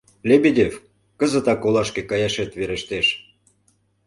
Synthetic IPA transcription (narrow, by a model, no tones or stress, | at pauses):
lʲebʲedʲef | kə̆zə̆t̪ɑkolɑʃkĕkɑjɑʃet̪βeɾĕʃt̪eʃ